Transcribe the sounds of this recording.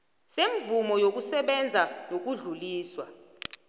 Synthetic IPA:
seɱvumɔjok̬ʼusɛɓɛnd͡zʱanok̬uɮuliːswa

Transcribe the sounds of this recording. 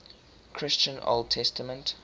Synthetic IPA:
kʰɹ̥ɪst͡ʃə̃no̰lˠd̚tʰɛstəmə̃nt

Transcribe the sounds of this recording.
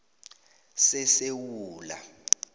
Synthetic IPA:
sɛsewuːla̰

